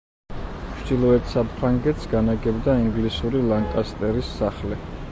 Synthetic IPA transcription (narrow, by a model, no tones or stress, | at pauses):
t͡ʃd̪̥ilˠɔɛt̪ʰsapʰɾaŋɡɛt̪sɡanaɡɛbd̪aiŋɡlisuɾilˠaŋkʼast̪ʼɛɾisːaχlɛ